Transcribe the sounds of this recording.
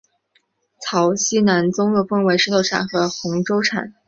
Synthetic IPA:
t͡sʰɑ˧˥ʊɕi˥na˧˥nt͡sʊ˥ŋɤ˥˩fɤ˥ŋwe˧˥ɪʂɻ̩˥t̪ʰo˥˩ʊʈ͡ʂʰa̰˨˩nxɤ˧˥xʊ˧˥ŋʈ͡ʂo˥ʊʈ͡ʂʰa̰˨˩˦n

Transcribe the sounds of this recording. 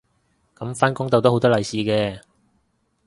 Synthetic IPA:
kɐ˨˥mfaː˥nkʊ˥ŋt̪o˨wt̪o˥ho˨˧wt̪ɔː˥lɐ˨jsiː˨˧kɛː˧

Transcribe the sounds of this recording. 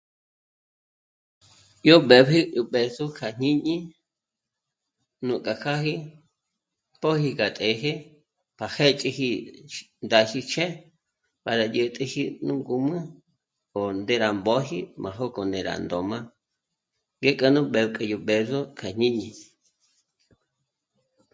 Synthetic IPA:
jo˦ɓe˨bɦi˦jo˨ɓe˨zo˦kʰa˨ɲ̥ĩ˦ɲĩ˦ | nũ˨kʼa˨kʰa˦ɦi˦ | po˦hi˧ka˨t̪ʼe˨ɦe˦ | pʰa˨he˦t͡ʃʼi˧hi˧ | nd̪a˧hi˧t͡ʃʰẽ˦ | pa˨ɾa˨jə˧t̪ʼə˧hi˦nũ˦ŋɡu˧mɨ̃˦ | o˨nd̪e˧ɾa˨mbo˦ɦi˦mã˨ɦo˦ko˨nẽ˨ɾa̰˨nd̪o˨mã˦ | ŋɡe˦kʼə˧nũ˦ɓe˨bkʼə˧jo˨ɓe˨zo˦kʰa˨ɲ̥ĩ˦ɲĩ˧˨

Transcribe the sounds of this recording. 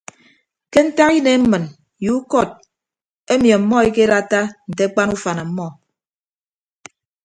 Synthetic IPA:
ke˦n̩˦ta˦ki˦ne˨˦m̩˦mɨ˨n | ju˨˦u˦kɔ˦˨t̚ | e˦mjɔ˨m̩˦mɔ˦e˦ke˦ɾa˦ta˦n̩˨te˦k͡pa˦nu˦fa˨na˨m̩˦mɔ˦˨

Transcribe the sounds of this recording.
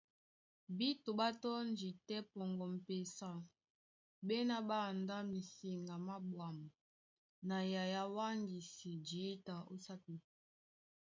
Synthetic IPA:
bi˦to˨ba˦tɔ˦nd͡ʒi˨tɛ˦pɔ˨ŋɡɔ˨m̩˨pe˨sa˦ | bɛ˦na˦ba˦˨nda˦mi˨si˨ŋɡa˨ma˦bwa˨ma˨ | na˨ja˨ja˦wa˦ŋɡi˨si˨d͡ʒi˨˦ta˨o˦sa˦pi˨˦

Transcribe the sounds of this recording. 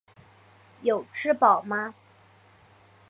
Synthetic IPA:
jo˨˩ʊʈ͡ʂʰɻ̩˥pɑ˨˩ʊma˦

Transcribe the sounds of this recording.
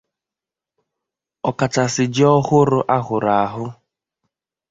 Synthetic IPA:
ɔ˨ka˨t͡ʃa˨sɪ˨d͡ʒɪ˦ɔ˦hʊ˦ɾʊ˦ʔa˦ɦʊ˨ɾa˨a˨ɦʊ˦

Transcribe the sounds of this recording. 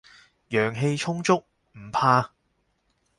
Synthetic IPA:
jœː˨˩ŋɦe˧jt͡ʃʰʊ˥ŋt͡sʊ˥k̚ | m̩˨˩pʰaː˧

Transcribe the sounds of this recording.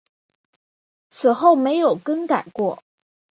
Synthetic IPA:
t͡sʰɹ̩˨˩xo˥˩ʊme˧˥ɪjo˨˩ʊkə˥ŋka˨˩ɪkwɔ˥˩

